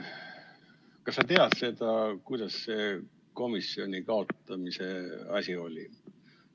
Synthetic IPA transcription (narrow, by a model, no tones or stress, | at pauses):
kɑsːɑt̪e̞ɑd̪̥se̞d̪̥ɑkujd̪̥ɑsse̞ | ko̞misio̞nʲikɑo̞t̪ːˑɑmise̞ɑsʲio̞lʲḭ